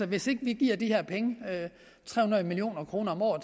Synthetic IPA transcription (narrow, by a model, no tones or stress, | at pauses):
ɒ̽ʋe̝se̝ɡ̥əʋiɡ̥ḭɐ̰d̥iheɐpʰeŋəø | t͡sʰʁɛ̰hunɐðˠmilio̝̰ːnɐkʰʁo̝ːnɐɒ̽mɒ̰ːð̩ˠ